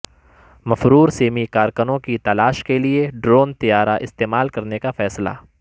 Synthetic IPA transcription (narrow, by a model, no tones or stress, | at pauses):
mɐfɾuːɾseːmikaːɾkənõkit̪ɐlaːʃkelieɖɾoːnt̪ijaːɾaʔɪst̪eːmaːlkɐɾnekafɛːsla̰ː